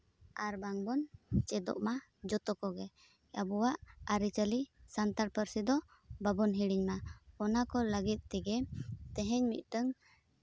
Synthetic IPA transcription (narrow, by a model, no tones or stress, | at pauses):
aɾbaŋbɔnt͡ʃɛd̪ɔ̰ʔma | d͡ʒɔt̪ɔkɔɡɛ | abɔwaʔaɾit͡ʃəlisant̪aɾpəɾsid̪ɔ | babɔnɦiɽiɲmaɔnakɔləɡit̪̚ˀt̪ɛɡɛt̪ɛɦɛɲmḭt̪̚ˀʈəŋ